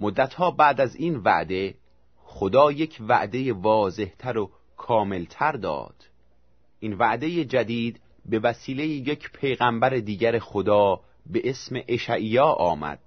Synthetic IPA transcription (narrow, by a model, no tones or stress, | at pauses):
mod̪ːæt̪hɒːbæːd̪æzinvæ̰ʔd̪e̞ | χod̪ɒːje̞cʰvæ̰ʔd̪e̞jevɒːze̞ht̪ʰæɾo | kʰɒːme̞lt̪ʰæɾd̪ɒ̰ːd̪̥ | ʔinvæʔd̪e̞jed͡ʒæd̪iːd̪ | be̞væsiːle̞jijecʰpʰe̞jɣæmbæɾed̪iːɟæɾe̞xod̪ɒː | be̞ʔesme̞ʔeʃæʔijɒːʔɒːmæ̰d̪̥̚